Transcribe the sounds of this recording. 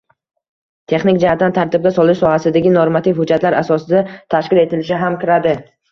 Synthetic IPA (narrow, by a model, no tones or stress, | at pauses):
t̪ʰe̞χnɪkʲd͡ʒahat̪̚dant̪ʰaɾt̪ɪb̚ɡʲasɒlɪʃsɒhasɪd̪aɡʲɪnoɾmat̪ʰɪfhʊd͡ʒːat̪laɾasɒsɪd̪at̪ʰaʃkʲɪle̞t̪ʰɪlɪʃɪɦamkʰʲɪɾad̪ɪ